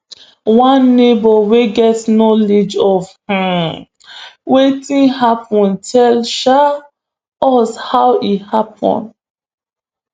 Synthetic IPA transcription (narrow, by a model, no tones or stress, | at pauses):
wãnːebɔweɡɛtnɔled͡ʒɔvhã | wetĩnhapɔ̃ntʰɛlʃa | ɔshawithap̚ɔ̰̃nd